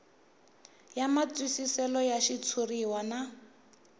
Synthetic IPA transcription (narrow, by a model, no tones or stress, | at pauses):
jamat͡swisisɛlɔjaʃit͡sʰuriwana